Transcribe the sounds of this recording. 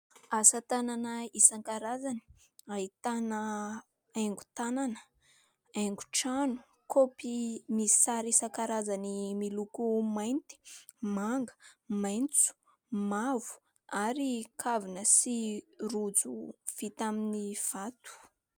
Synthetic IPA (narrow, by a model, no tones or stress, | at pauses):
asət̪ananəisaŋkaɾazani̥ | ait̪anə | ajŋɡu̥t̪ananə̥ | ajŋɡu̥ʈ͡ʂanu̥ | kʰopimisaɾisaŋkaɾazanimilukumajnt̪i̥ | maŋɡə̥majnt͡su̥ | mavu̥ | aɾikʰavinəsirud͡zuv̥it̪aminiv̥at̪u̥